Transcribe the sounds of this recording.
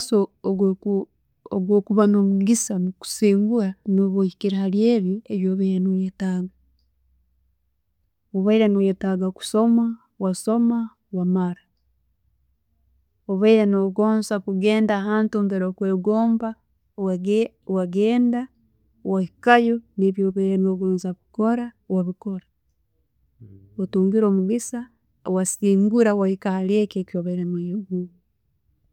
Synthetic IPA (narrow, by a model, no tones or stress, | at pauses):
so | oɡwoːkuβanomuɡisamuku̥siːŋɡuɾanoβoikiɾahalje̞ːβjieβjoːβaiɾenojetaɡa | oβaiɾenojetaɡaku̥so̞ma | waso̞ma | wamaɾa | oβaiɾenoɡoːnsakuɡeːndahaːntuːmbeɾokweːɡoːmba | waɡeːnda | wahikajoniβjoβeɾenoɡoːnzakukoɾawaβikoɾa | watuːŋɡiɾoːmuɡisa | wasiːŋɡuɾawahikaljekeːkioβeɾemajeɡu